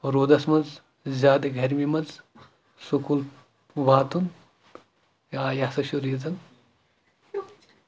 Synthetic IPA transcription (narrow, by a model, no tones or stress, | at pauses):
ɾoːd̪ɐsmɐnz | zʲaːd̪eɡʱɐɾmimɐnz | sukul | ubaːt̪un | jaːjasɐʃuɾizɐn